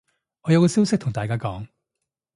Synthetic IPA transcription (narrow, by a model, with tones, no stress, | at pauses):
ʔɔː˨˧jɐ˧wkɔː˧si˥wsɪ˥k̚t̪ʰʊ˨˩ŋt̪aː˨kaː˥kɔː˨˥ŋ